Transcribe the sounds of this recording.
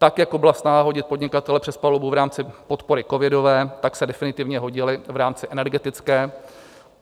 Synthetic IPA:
t̪akjakobɪlasnaɦaɦo̞ɟɪt̪̚po̞dɲɪkat̪ɛlɛpr̝̥ɛspalobuvɾaːmt͡sɪpot̪po̞ɾɪko̞vɪdo̞vɛːt̪aksɛdɛfɪnɪt̪ɪvɲɛɦoɟɪlɪvɾaːmt͡sɪʔɛnɛɾɡɛt̪ɪt͡skɛː

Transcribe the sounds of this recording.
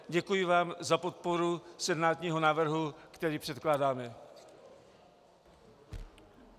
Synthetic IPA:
ɟɛkujɪvaːmzapo̞t̪̚po̞ɾusɛdnaːt̪ɲiːɦonaːvr̩ɦukt̪ɛɾiːpr̝̥ɛt̪klaːdaːmɛ

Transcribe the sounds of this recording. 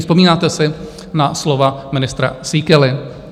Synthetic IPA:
spo̞miːnaːt̪ɛsɪ | naslo̞vamɪnɪst̪ɾa̰sikɛlɪ

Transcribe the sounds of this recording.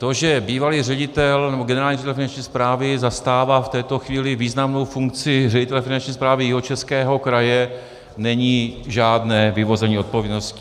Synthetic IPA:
t̪o̞ʒɛbiːvaliːrɛɟɪt̪ɛlnɛboɡɛnɛɾaːlɲiːreɪt̪ɛlfɪnant͡ʃɲiːspɾaːvɪzast̪aːvaːft̪ɛːt̪o̞xviːlɪviːznamno̞wfuŋk̚t͡sɪrɛɟɪt̪ɛlɛfɪnant͡ʃɲiːspɾaːvɪjɪɦot͡ʃɛskɛːɦo̞kɾajɛ | nɛɲiːʒaːdnɛːvɪvo̞zɛɲiːo̞t̪̚povjɛdnoscɪ̥

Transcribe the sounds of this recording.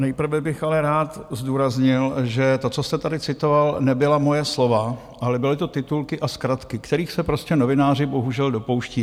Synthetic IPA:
nɛjpr̩vɛbɪxalɛɾaːt̪zduːɾazɲɪlʒɛt̪o̞t͡sost̪ɛt̪adɪt͡sɪt̪o̞valnɛbɪlamo̞jɛslo̞va | ʔalɛbɪlɪt̪o̞t̪ɪt̪ulkɪʔaskɾat̪kɪkt̪ɛɾiːxsɛpɾo̞scɛno̞vɪnaːrɪbo̞ɦuʒɛldo̞po̞wʃciː

